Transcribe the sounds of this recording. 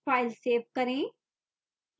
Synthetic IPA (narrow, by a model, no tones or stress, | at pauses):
aːɪlseːʋkəɾẽː